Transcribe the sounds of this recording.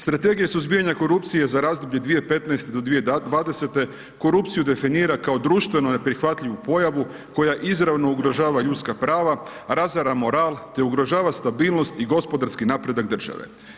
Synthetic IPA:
st̪ɾat̪e̞ɡijesuzbijaɲako̞ɾup̚t̪sije̞zaɾaːzd̪obʎe̞d̪ʋije̞pet̪naest̪e̞d̪o̞d̪ʋied̪ʋaːd̪e̞se̞t̪e̞ | ko̞ɾupt̪sijud̪e̞finiːɾakao̞d̪ɾuʃt̪ʋe̞none̞pɾixʋat̪ʎiʋupo̞jaʋu | ko̞jaʔizɾaʋno̞uɡɾo̞ʒaːʋaʎut̪skapɾaːʋa | ɾazaɾamo̞ɾaːlˠt̪e̞uɡɾo̞ʒaːʋast̪abiːlˠno̞st̪iɡo̞spo̞d̪aɾskinaːpɾe̞d̪akd̪r̩ʒ̥a̰ʋḛ

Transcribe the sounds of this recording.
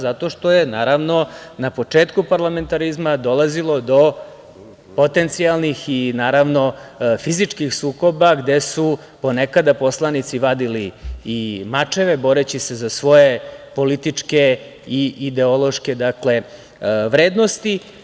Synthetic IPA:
zat̪o̞ʃt̪o̞jenaːɾaʋno̞napo̞t͡ʂeːt̪kupaɾlˠame̞nt̪aɾizmad̪o̞lˠazilˠo̞d̪o̞ | po̞t̪e̞nt̪sialˠnixinaːɾaʋno̞fizit͡ʂkixsuːko̞baɡd̪e̞su | po̞nekad̪apo̞slˠanit̪siʋad̪iliː | mat͡ʂe̞ʋebo̞ɾet͡ɕise̞zasʋo̞je̞po̞lit̪it͡ʂke̞ | iʔid̪e̞olˠo̞ʃked̪akle̞ | ʋɾeːd̪nost̪i

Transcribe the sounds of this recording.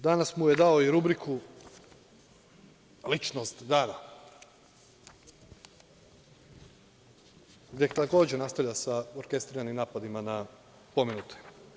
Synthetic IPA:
d̪anasmujed̪aoiɾubɾikʰu | lit͡ʃnost̪d̪aːɾa | ɡd̪jet̪ako̞ːd͡ʑenast̪aʋʎʲasaoɾke̞st̪ɾiɾanimnaːpad̪imana | pominut̪ʰe̥

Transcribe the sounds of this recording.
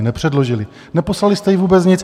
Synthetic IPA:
nɛpr̝̥ɛdlo̞ʒɪlɪ | nɛpo̞slalɪst̪ɛjɪvuːbɛt͡sɲɪt͡s

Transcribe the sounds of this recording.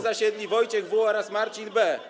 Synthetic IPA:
zaɕɛd̪lʲivɔjt͡ɕɛɣvuɔɾasmaɾt͡ɕinbɛ

